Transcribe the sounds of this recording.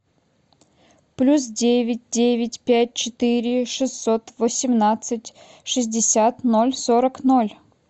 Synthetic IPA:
plʲus̬dʲevʲɪt̚ʲdʲevʲɪtʲpʲæt̚ʲt͡ɕɪt̪ɨɾʲɪʂɨsːot̪vəsʲɪmnat̪sɨtʲ | ʂɨzʲdʲɪsʲat̪no̞lʲsoɾəknolʲ

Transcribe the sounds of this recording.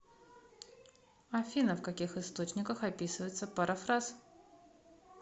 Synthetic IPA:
ɐfʲinəfkɐkʲixɨst̪o̞t͡ɕnʲɪkəxɐpʲisɨvəjɪt̪səpɐɾʔafras

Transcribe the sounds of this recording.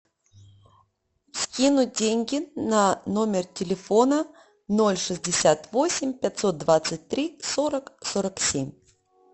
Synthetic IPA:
skʲinʊdʲenʲɡʲɪnano̞mʲɪrtʲɪlʲɪfonə | no̞lʲʂɨzʲdʲɪsʲat̪vo̞sʲɪmʲpʲat̪so̞t̪̚d̪vat̪sɨt̚ʲt̪ɾʲisoɾəksoɾəksʲemʲ

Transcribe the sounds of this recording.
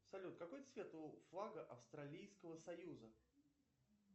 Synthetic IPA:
sɐlʲut̪kɐko̞jt̪svʲe̞t̪ʊflˠaɡəʔɐfst̪ɾɐlʲijskəvəsɐjuzə

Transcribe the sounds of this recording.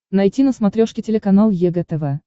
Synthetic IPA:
nɐjtʲinəsmɐt̪ɾʲoʂkʲɪtʲɪlʲɪkɐnalˠjɛɡɛt̪ɛvɛ

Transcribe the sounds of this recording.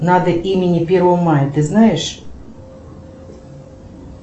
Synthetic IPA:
nad̪əʔimʲɪnʲɪpʲervəvəmajət̪ɨznajɪʂ

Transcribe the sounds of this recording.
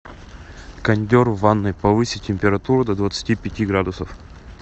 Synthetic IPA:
kɐnʲdʲoɾvanːɨjpɐvɨsʲɪtʲɪmʲpʲɪɾɐt̪uɾʊd̪ɐd̪vət̪sɨ̥tʲipʲɪtʲiɡɾad̪ʊsəf

